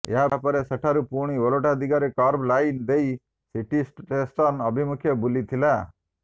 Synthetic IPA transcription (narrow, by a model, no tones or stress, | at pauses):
ḛɦapɔɾesəʈʰaɾupuɽ̃ioloʈad̪iɡaɾekɔɾblajnd̪ej | siʈisʈʈesʈ̪ɔnɔbʱimukʰjɔbulit̪ʰila